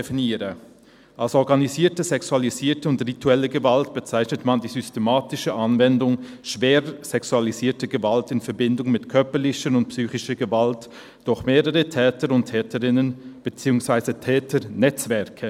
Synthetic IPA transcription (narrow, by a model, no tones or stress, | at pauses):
efiniːʁə | ʔalsɔɐɡaniziːɐtəzɛksualiziːtəʊntʁituɛləɡəvaltb̥ət͡saɪçnətmandiːzystemaːtɪʃəʔanvɛndʊŋ | ʃv̥eːʁz̥ɛksualiziːɐtəɡəvaltɪnfɛɐbɪndʊŋmɪtkʰœɐpəlɪçənʊnt̚psyːçɪʃəɡəvalt | d̥ʊχmeːʁəʁətʰɛːtəʁʊntʰɛːtəʁɪnənb̥ət͡siːʊŋsv̥aɪzətʰɛːtʰənɛt͡sv̥ɛɐkʰə